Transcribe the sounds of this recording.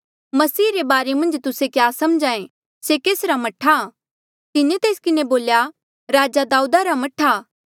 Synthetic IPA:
mɐsiːɾebaːɾemɐ̃nd͡ʒt̪ʊsekjaːsɐmd͡ʒãːẽ | sekeːsɾamɐʈʰːa | k̪ɪnẽt̪eːskɪneboːlja | ɾaːd͡ʒad̪aːuːd̪aɾamɐʈʰaː

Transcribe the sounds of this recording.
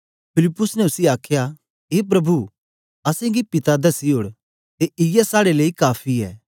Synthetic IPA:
pʰɪlɪpːʊsnɛʊsiaːkʰja | ɦeːp̬ɾɐbʱu | ɐsẽɡipɪt̪ad̪ɐsiɦoːɽ | t̪eʔɪjɛsaːɽeleːikaːpʰiɛ̰ː

